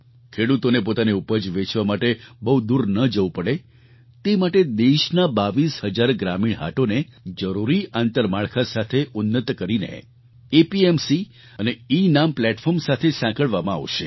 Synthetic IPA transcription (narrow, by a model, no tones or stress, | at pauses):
kʰeɽut̪onepot̪aneupəd͡ʒʋet͡ʃʋamaʈebəɦud̪uɾnəd͡ʒəũpəɽe | t̪emaʈed̪eʃnabaʋishəd͡ʒaɾɡɾamiɭɦa̰ʈoned͡ʒəɾuɾiant̪əɾmaɭkʰasat̪ʰeʔʊnːət̪kəɾinḛ | epiemsi | əneinamplɛʈfʰɔɾmsat̪ʰesãkəɭʋamãa̰ʋʃe